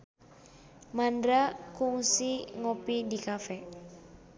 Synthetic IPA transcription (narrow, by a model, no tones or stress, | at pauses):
mandɾakuŋsiŋɔpidikafɛ